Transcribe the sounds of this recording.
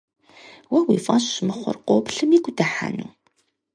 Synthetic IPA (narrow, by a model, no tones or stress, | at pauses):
wæwifɑʃʃməχʷʊ̰ɾqobɬəmiɡʷd̪aħa̰nṵ